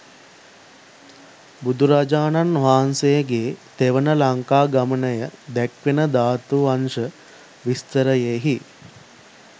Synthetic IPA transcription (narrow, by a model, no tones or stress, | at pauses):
bud̪uɾad͡ʒaːnanʋaːnsejəɡeːt̪eʋənəlaŋkaːɡamənəjəd̪ækʋenəd̪aːt̪uʋanʂə | ʋist̪əɾəjeɦi